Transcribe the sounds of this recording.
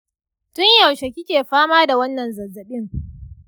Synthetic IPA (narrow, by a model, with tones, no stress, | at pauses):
tʊ˦ɲjɐ˨wʃe˨kʲɪ˦kʲeː˨ɸaː˦maː˦da˨wɐ˦nːɐ˨nzɐ˨zɐ˨ɓɪ˦ŋ